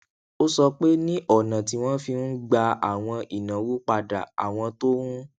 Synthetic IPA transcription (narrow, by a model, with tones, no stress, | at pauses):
o˦sɔ˧k͡pe˦nĩ˦ʔɔ˦˨nã˨ti˧w̃ɔ̃˦fi˧n̩˦ɡ͡ba˧a̰˨w̃ɔ̃˧ʔi˨nã˨wu˦k͡pa˧da̰˨a̰˨w̃ɔ̃˧to˦hũ˦